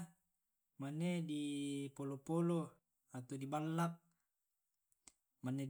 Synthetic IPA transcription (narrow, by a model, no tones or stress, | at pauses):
manːedipolopolo | at̪odibalːap̚ | manːe